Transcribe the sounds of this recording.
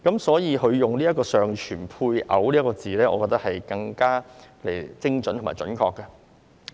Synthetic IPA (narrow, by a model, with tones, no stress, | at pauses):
kɐ˨˧˥msɔː˨˥jiː˧ɦɵ˨˧ɥjʊ˨ŋliː˥jɐ˥tkɔː˧sœː˨ŋt͡ʃʰyː˨˩npʰuː˧jʔɐ̰˨˥wliː˥kɔː˧t͡siː˨lɛː˥ʔɔː˨˧kɔː˧t̪ɐ˥khɐ˨jkɐ˧ŋkaː˥le˨˩jt͡sɪ˥ŋt͡sɵ˨˥nt̪ʰʊ˨˩maː˨˩jt͡ʃɵ̰˨˥nkʰɔː˧kːɐ˧